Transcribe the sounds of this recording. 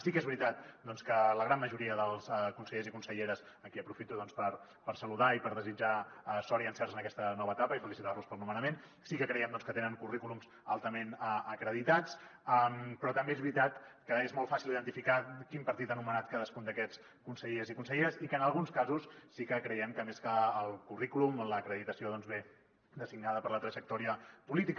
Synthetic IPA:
sikezβɾit̪at̪̚d̪ɔnskələɣɾanməʒuɾiəðəlˠskunsəʎezikunsəʎeɾəz | əkiəpɾufit̪uðɔnspəɾ | pəɾsəluðaipəɾðəzid͡ʒasɔɾiənsɛrzənəkɛst̪ənɔβəːt̪apəifəlisit̪arluspəlˠnumənəmen | sikəkɾɛjɛmd̪ɔnskət̪enəŋkurikulumz | a̰lˠt̪əmenəəkɾəðit̪at͡səmpɾɔt̪əmbeezβɾit̪at̪kəezmɔlˠfasiliðənt̪ifikakimpəɾt̪it̪anumənat̪̚kaðəskund̪əkɛt͡s | kunsəʎeəzikunsəʎeəzikəːnəlˠɣunskazusːikəkɾəjɛmkəmeskəːlˠkurikulumələkɾəðit̪əsioðɔnzβe | d̪əsiɡnaðəpəɾlət̪ɾəʒək̚t̪ɔɾiəpulit̪ik

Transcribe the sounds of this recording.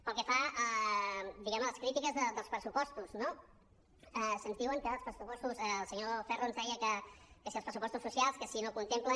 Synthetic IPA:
pəlˠkəfaə | d̪iɣɛmələskɾit̪ikəzðəd̪əlˠspɾəsupɔst̪uzno | ɛsənzðiwəŋkəəlˠspɾəsupɔst̪usəlˠsəɲofɛroənzðɛjəkəkəsiəlˠspɾəsupɔst̪usːusialˠskəsinokunt̪emplə

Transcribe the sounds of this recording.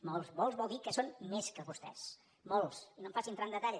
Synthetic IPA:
molˠzmolˠzβɔwˠðikəsonmeskəβust̪ɛ̰s | molˠsinompasint̪ɾand̪ət̪aʎ

